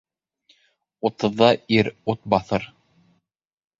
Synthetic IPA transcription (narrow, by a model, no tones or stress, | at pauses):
ŏt̪ɤ̆ðːɑiɾut̪̚bɑθɤɾ